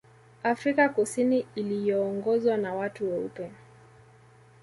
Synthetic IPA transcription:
afɾikakusiniːlijɔːŋɡɔzwanawatuwɛṵpɛ

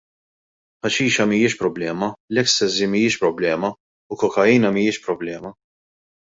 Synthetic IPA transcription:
ħɐʃiːʃɐmijɪʃpɾɔblɛːmɐlɛksɛzimijɪʃpɾɔblɛːmɐ | ʊkɔkɐjiːnɐmijɪʃpɾɔblɛːmɐ

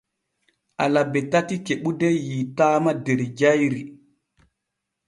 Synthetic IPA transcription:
ʔalabetatikeɓudejitamadeɾid͡ʒajɾi

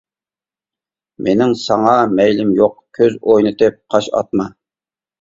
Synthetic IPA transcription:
mʔenɪŋsɑŋɑmɛjlɪmjoqkʲʰøzojnɨt̪ɨp̚qʰɑʃɑ̰t̪̚mɑ

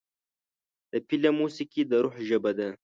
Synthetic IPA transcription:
d̪̥əpilamusikid̪əɾʊħʒəbad̪a

